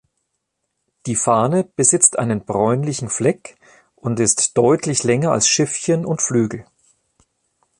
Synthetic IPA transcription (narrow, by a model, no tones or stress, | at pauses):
d̥iːfaːnəb̥əzɪt͡stʔa̰ɪnənbʁɔʏnlɪçn̩flɛk | ʔʊntɪstd̥ɔʏtʰlɪçlɛŋɐa̰lsʃɪfçənʊntflyːɡl̩